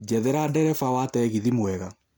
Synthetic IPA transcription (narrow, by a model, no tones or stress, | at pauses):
d͡ʒɛðɛɾadɛɾɛfawatɛɣiðimwɛɣa